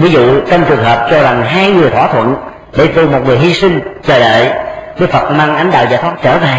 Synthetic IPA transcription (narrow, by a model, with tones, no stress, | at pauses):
vi˨˦zṵ˧˨t͡ɕə˧wŋ͡mt͡ɕɨ˨˩əŋɦəː˨˩p̚t͡ɕɔ˧za˨˩ŋɦaː˧jŋɨ˨˩əjt̪ʰwaː˧˩t̪ʰwə̰˧˨n | ɗḛ˧˥˦t̪u˨˩mo˨˩t̚ŋɨ˨˩əjhi˧si˧ŋ̟t͡ɕəː˨˧˩ɗə̰ː˧˨jɗɨː˨˦˥kfə˨˩t̚maː˧ŋʔa˧˦jŋ̟ɗa̰ː˧˨wzaː˧˨˩t̪ʰwa˦˥t͡ɕəː˧˩veː˨˩